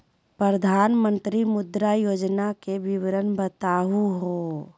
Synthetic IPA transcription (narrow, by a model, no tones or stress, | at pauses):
pɾəɾəd̪ʱaːnmə̃nt̪ɾimʊd̪ɾajoːd͡ʒnakeʋɪʋɾənbət̪aːɦuɦo